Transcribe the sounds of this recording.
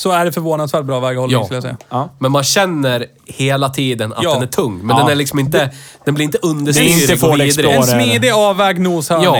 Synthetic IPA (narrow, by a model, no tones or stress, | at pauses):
sɔæɖɛfœɾvoːnad̪svæʈ̚bɾɑːvɛːɡhɔlːkɵljasɛ̰ja̰mɛnmanɕɛnːəɾ | heːlat̪ʰiːd̪əna̰d̪ɛnæʈʰɵŋːmɛnd̪ɛnæɭɪksɔmɪnt̪əd̪̥ɛnb̪lɪɾɪnt̪əɵnd̪əsoːɛːd̪ɾmiːd̪ɪɑːvɛːɡnuːshɑjɑː